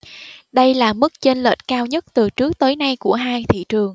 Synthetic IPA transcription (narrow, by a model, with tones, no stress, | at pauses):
ɗə˧jlaː˨˩mɨ˦˥k̚t͡ɕe˧nlə̰ː˨˩t̚kaː˧wɲə˦˥t̚t̪ɨ˨˩t͡ɕɨ˦˥ək̚t̪əː˨˦jna˧jku˧˩əɦaː˧jt̪ʰḭ˧˨t͡ɕɨ˨˩əŋ